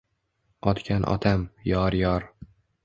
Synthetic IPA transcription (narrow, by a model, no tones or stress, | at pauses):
ɒt̪kʲʰanʔɒ̰t̪ʰamjɒɾjɒɾ